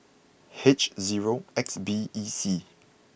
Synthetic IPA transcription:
het͡ʃziɹoɛksbiisi

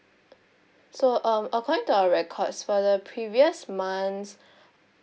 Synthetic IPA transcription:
soʔʌ̃məkʰɔdĩŋtuaəɹɛkʰɔdsfɔdəpʰɹiviəsmãns

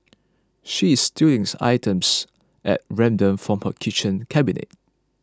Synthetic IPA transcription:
ʃiːstilĩŋsa̰ɪtʰə̃ms | ʔɛ̰t̚ɹɛ̃mdə̃mfɹɔ̃mhəkʰit͡ʃə̃nkʰɛbinḛt̚

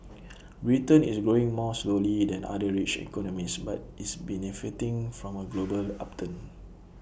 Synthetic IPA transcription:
ɹitə̃nisɡɹoɪ̃ŋmɔslolidɛ̃na̰dəɹit͡ʃɛ̰kɔnɔmisbatisbɛnifitĩŋfɹɔ̃məɡlobəla̰p̚tʰə̃n

